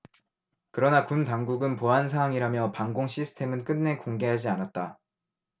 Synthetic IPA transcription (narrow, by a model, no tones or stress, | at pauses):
kɯɾʌnakuntaŋɡuɡɯnpoɦansʰaɦwaŋiɾamjʌpaŋɡoŋɕʰisʰɯ̥tʰe̞mɯnk͈ɯnːe̞koŋɡe̞ɦad͡ʑianat̚t͈a